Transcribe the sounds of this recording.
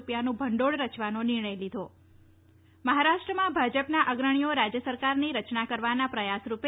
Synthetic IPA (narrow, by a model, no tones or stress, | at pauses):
pjanũbʱəɳɖoɭɾət͡ʃʋanonɪɾɳ̃əjlid̪ʱo | məɦaɾaʃʈɾəmãbʱad͡ʒəpnaʔəɡɾəɳ̃ioɾad͡ʒjəsəɾkaɾniɾət͡ʃnakəɾʋanapɾəjasɾupe